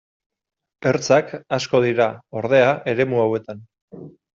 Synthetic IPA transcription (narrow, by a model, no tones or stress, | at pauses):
e̞ɾt͡sakasko̞ð̞iɾao̞ɾðe̞aʔe̞ɾe̞muawe̞t̪an